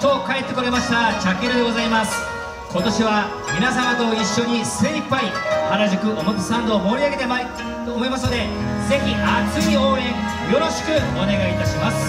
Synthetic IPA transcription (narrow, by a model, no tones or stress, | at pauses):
t͡ɕo̞ːkaet̪ːe̞koɾe̞maɕi̥t̪at͡ɕakːeɾɯd̪e̞ɡo̞zaimasɨ̥ | ko̞t̪o̞ɕiβa | mʲinasamat̪o̞iɕːo̞ɲ̟iseipːaihaɾaʑikɯ̟ʔomotɨsãnd̪o̞ːmo̞ːɾʲiaɡe̞t̪e̞ma | omo̞imasɨnod̪e̞ | ze̞çʲiat͡sɨɲʲio̞ːɾẽ̞ŋ | jo̞ɾo̞ɕi̥kɯ̟one̞ɡait̪aɕimasɨ̥